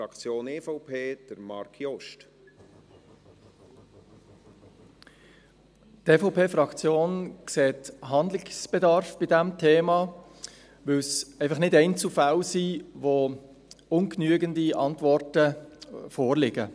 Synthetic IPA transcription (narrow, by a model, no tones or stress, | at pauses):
ɾɑkt͡sjoːnefɔʊpʰeːd̥əɾmɑ̰ɾkʰjɔʃt | tefɔʊpʰeːfɾɑkt͡sjoːnkseːtɦɑnd̪lɪksb̥ɛdɑɾfb̥ɪdɛmtʰeːmɑ | ʋɪlsɛɪfɑχnɪdɛɪnt͡sufalsiːvo | ʊnknyəɡəndiʔɑntvɔrtəfoːɾlɪɡə